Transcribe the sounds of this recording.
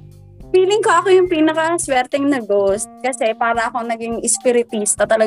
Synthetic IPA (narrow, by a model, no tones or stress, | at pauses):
fiːlɪŋkoʔɐko̞jʊŋpiːnɐkɐswɛɾt̪ɛŋnɐɡost̪̚kɐsɛpaːɾɐʔɐko̞nɐɡɪŋʔɪspɪɾɪt̪ist̪ɐt̪ɐlɐ